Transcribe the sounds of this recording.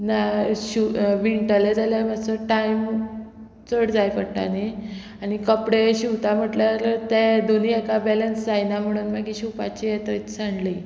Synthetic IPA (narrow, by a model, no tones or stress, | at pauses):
naɕuʋiɳʈəled͡zaljamasəʈajm | t͡səɽd͡zajpəʈa̰ni | añikəpɽeɕiwt̪am̤əʈlaɾt̪ɛ̃d̪oniɛkabɛlənsd͡zajnam̤əɽ̃uːnmaɡiɕupat͡ɕijɛt̪ət͡ssaɳɖli